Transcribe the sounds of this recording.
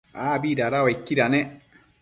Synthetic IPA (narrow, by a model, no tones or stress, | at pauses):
aːbidaɾawaikːiɾanɛ